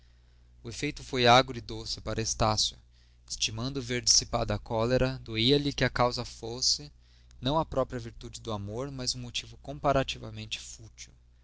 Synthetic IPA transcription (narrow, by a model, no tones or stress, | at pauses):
ʊefejt̪ʊfojaɡɾʊɪd̪osɪpaɾʔɐest̪asjʊ | ɪst͡ʃimɐ̃nd̪ʊveɾd͡ʒisipad̪ɐkɔleɾɐd̪oiɐlɪkɪɐkawzɐfosɪ | nɐ̃w̃ɐpɾɔpɾjɐviɾt̪ud͡ʒɪd̪ʊamoɾmɐzũmot͡ʃivʊkõpaɾat͡ʃivɐ̰mẽnt͡ʃɪ̥fut͡ʃiw